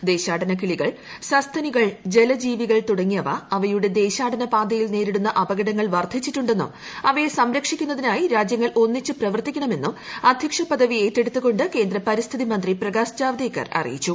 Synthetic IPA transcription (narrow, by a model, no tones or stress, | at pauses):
d̪e̞ːɕaːɖɐnɐkiɭiɣɐɭ | sɐst̪ʰɐniɣɐɭd͡ʑe̞lɐd͡ʑiːʋiɣɐɭt̪uɽɐŋːijɐʋɐ̰ɐʋɐjuɽe̞d̪e̞ːɕaːɖɐnɐpaːd̪ɐjilne̞ːɾiɽunːɐʔɐbɐɡɐɽɐŋːɐɭʋɐrd̪ʰʱit͡ɕːiʈːuɳɖe̞nːṵ | ɐʋɐjesɐmɾɐkʂikʲːunːɐðinaːjiɾaːd͡ʑjɐŋːɐɭʔo̞nːit͡ɕːɨprɐʋɐrt̪ikʲːɐɳɐme̞nːumɐd̪ʱjɐkʂɐpɐd̪ɐʋie̞ːtːe̞ɽut̪ːuɣo̞ɳɖɨke̞ːnd̪ɾɐpɐɾist̪ʰiðimɐnd̪riprɐɡaːsd͡ʑaːʋɐd̪eːkːɐ̰rɐ̰rḭjit͡ɕːu